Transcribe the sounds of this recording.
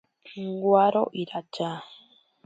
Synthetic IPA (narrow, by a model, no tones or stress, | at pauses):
ŋɡwaɾo̰ʔiɾad͡ʒa